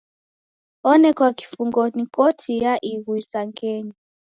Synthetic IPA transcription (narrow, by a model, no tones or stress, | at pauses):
ɔnɛkwaki̥fuŋɡɔnikɔtʰijaʔiɣuisaŋɡɛɲi